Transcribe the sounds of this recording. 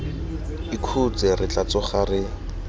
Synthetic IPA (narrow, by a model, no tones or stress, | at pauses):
ɪkʰut͡sɪrɪt͡ɬat͡sɔχarɪ